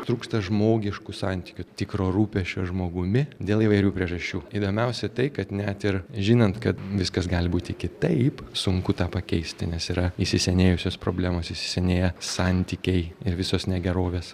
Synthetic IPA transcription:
t̪ɾuːkst̪ɐʒmoːɡʲɪʃkʊsɑːnʲt̪ʲɪ̥kʲʊt̪ʲɪkɾoːɾuːpʲɛʃʲt͡ʃʲoːʒmoːɡʊmʲɪd̪ʲeːlˠiːʋɐɪɾʲuːpʲɾʲiɛʒɐʃʲt͡ʃʲuːiːd̪oːmʲɛʊsʲɛt̪ɐɪkɐt̪nʲɛt̪ɪɾʒʲɪnɐnt̪kɐt̪ʋʲɪskɐsɡɑːlʲbuːt̪ʲɪkʲɪt̪ɐɪpsʊŋkʊt̪ɑːpɐkʲɛɪsʲt̪ʲɪnʲɛsiːɾɐisʲɪsʲɛnʲeːjʊsʲoːspɾo̰ːbʲlʲæːmoːsisʲɪ̥sʲɛnʲeːjɛsɑnʲt̪ʲiːkʲɛɪɪɾʋʲɪsoːsnʲɛɡʲɛɾoːʋʲeːs

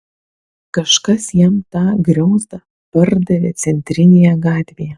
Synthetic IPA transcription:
kɐʃkɐsjɛmt̪ɑːɡɾʲɛʊzd̪ɐ | pɐɾd̪ɐʋʲet̪sʲɛnʲt̪ʲɾʲɪnʲeːjɛɡɑːt̪ʲʋʲejɛ

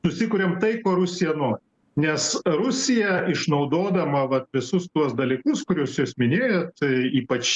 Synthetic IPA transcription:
sʊsʲɪkʊɾʲeːmt̪ɐɪkoːɾʊsʲɪjɛnoːɾʲɪ | nʲɛsɾʊsʲɪjɛɪʃnɐʊd̪oːd̪ɐmɐʋɐt̪ʋʲɪsʊst̪uɔsd̪ɐlʲiːkʊskʊɾʲuːsjuːsmʲɪnʲeːjot̪iːpɐt͡ʃ

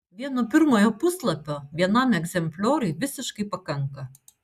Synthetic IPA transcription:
ʋʲiɛnɔpʲɪɾmɔjɔpʊslˠɐpʲɔʋʲiɛnɑmʲɛɡzʲɛmpʲlʲɔːɾʲʊjʋʲɪsʲɪʃkɐɪpɐkɐŋkɐ

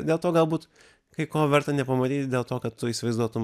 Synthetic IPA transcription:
d̪ʲeːlˠt̪oːɡɐlˠbuːt̪ | kɐɪkoːʋʲɛɾt̪ɐnʲɛpɐmɐt̪ʲiːt̪ʲd̪ʲeːlˠt̪oːkɐt̪t̪ʊiːsʲɪʋɐɪzd̪uɔt̪ʊm

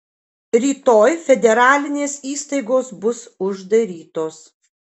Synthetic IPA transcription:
ɾʲiːt̪oːjfʲɛd̪ʲɛɾɑːlʲɪnʲeːsiːst̪ɐɪɡoːsbʊsʊʒd̪ɐɾʲiːt̪oːs

